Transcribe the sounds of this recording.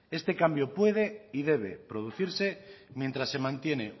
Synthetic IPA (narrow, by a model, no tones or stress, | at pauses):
est̪ekambjopwe̞ð̞eiðeβḛpɾoðuθiɾsemjent̪ɾasːemãnt̪jene